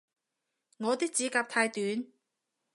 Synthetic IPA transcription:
ŋɔː˨˧t̪iː˥k̚t͡siː˨˥kaː˧p̚t̪ʰaː˧jt̪yː˨˥n

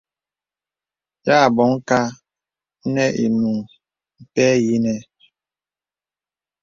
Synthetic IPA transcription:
ja˦˨bɔ˨˦ŋ˦ka˦ | nɛ˦ʔi˨nu˨ŋ | m̩˨tɛ˦ji˦nɛ˦

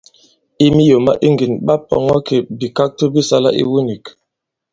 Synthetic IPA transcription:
i˦mi˦jo˨ma̰˦ʔi˦ŋɡi˨nɓa˦pɔ̰˨ŋɔ˦ke˨bi˨ka˦k̚to˦bi˦sa˦la̰˦ʔḭ˦wu˦ni˨k

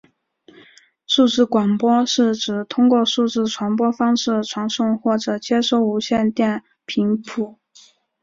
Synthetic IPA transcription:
ʂu˥˧ʈ͡ʂɻ̩˥˩kwa˨˩ŋpwɔ˥ʂɻ̩˥˩ʈ͡ʂɻ̩˨˩t̪ʰʊ˥ŋkwɔ˥˧ʂu˥˧ʈ͡ʂɻ̩˥˩ʈ͡ʂʰwa˧˥npwɔ˥fɑ˥ŋʂɻ̩˥˩ʈ͡ʂʰwɑ˧˥ŋʂʊ˥˧ŋxwɔ˥˩ʈ͡ʂɤ˨˩t͡ɕjɛ˥ʂo˧˥ʊu˧˥ɕjɛ˥˧nt̪jɛ˥˩n | pʰi˧˥ŋpʰu˧˩˦

